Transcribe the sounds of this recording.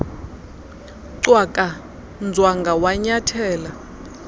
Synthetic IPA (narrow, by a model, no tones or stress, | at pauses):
ǀwakʼa | nd͡zʱwaŋɡʱawaɲatʰɛːla